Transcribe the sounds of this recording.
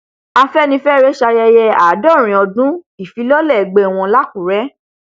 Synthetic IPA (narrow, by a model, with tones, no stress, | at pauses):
a˧fɛ˦nĩ˧fɛ˦ɾe˦ʃa˧jɛ˧jɛ˧a˨˦dɔ˦˨ɾ̃ĩ˨ɔ˧dũ˦i˦˨fi˨˦lɔ˦lɛ˦˨ɡ͡be˧˨w̃ɔ̃˧la˦ku˨ɾɛ˨˦